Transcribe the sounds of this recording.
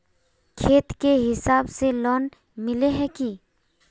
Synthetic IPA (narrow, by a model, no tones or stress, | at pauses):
kʰeːt̪keɦɪsaːbselɔːn | mɪleɦɛki